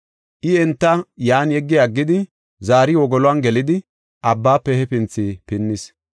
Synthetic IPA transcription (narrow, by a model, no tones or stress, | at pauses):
ʔɪɛnt̪ːɐjaːnjɛɡːɪaɡːɪd̪ɪ | zaːɾɪwɔɡɔlʊɐnɡɛlɪd̪ɪ | ʔɐbːaːpːɛhɛpɪnt͡sːiːpɪnːɪs